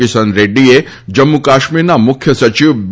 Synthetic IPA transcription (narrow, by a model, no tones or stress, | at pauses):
isənɾeɖie | d͡ʒɐmːukaːʃmiɾnamʊkʰjəsɐt͡ʃiʋb